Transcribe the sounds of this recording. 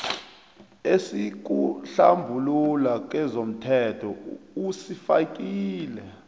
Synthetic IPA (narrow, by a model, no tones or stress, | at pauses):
esik̬uɬambʱululak̬ɛzom̩tʰɛtʰɔusifak̬ʼiːlɛ